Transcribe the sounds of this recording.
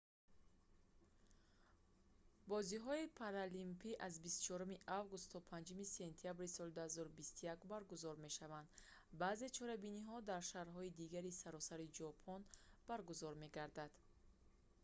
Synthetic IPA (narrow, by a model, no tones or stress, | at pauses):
bɔziɦɔipʰaɾalimpʰiʔazbist̪u̥t͡ʃʰɔɾumiʔavɡust̪ʰːɔpʰand͡ʒumise̞nt̪ʰiabɾisɔld̪uhazɔɾubist̪ujakbaɾɡuzɔɾme̞ʃavand̪ | baːze̞t͡ʃʰɔɾabiniɦɔd̪aɾʃaɾɦɔid̪iɡaɾisaɾɔsaɾid͡ʒɔpʰɔnb̥aɾɡuzɔɾme̞ɡaɾd̪ad̪̥